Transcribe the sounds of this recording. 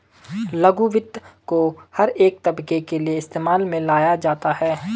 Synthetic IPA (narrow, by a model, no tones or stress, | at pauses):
lɐɡuʋɪd̪kohɐɾeːk̚t̪ɐbkekelieɪst̪eːmaːlmẽlaːjad͡ʒaːt̪aɦɛː